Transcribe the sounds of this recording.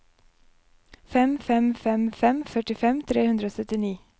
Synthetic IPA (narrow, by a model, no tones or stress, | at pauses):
fɛmfɛmfɛmfɛmfœʈɪfɛmt̪ʰɾeːhʉnd̪ɾəoːsœt̪ɪniː